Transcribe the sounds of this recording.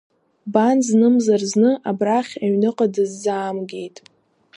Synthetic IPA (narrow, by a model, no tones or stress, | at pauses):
banznɨmzarznɨʔabraχʲaɥnɨqʼadɨzːaːmɡʲe̞jtʼ